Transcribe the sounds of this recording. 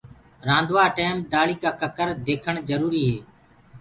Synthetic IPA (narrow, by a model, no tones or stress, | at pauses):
ɾãːnd̪ʋaːʈeːmd̪aːɭiːkaːkəkəɾd̪eːkʰəɳd͡ʒəɾuːɾiːɦeː